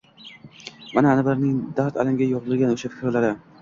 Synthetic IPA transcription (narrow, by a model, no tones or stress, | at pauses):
manaːnɪblaɾnɪŋd̪aɾt̪alɪmɡʲajoʁzɨlɡʲanoʃafɪ̥kʲɾlaɾɪ